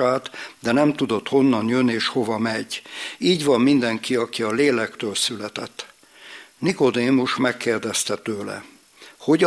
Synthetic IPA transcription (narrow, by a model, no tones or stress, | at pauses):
aːt̪d̪ɛnɛmt̪ud̪o̞t̪ho̞nːɒnjønːeːʃho̞vɒmɛɟiːɟvɒmmind̪ɛŋkiɒkiɒleːlɛkt̪øːlsylɛt̪ɛt̪ː | niko̞d̪eːmuʃmɛkːeːrd̪ɛst̪ɛt̪øːlɛ̰ | ho̞ɟ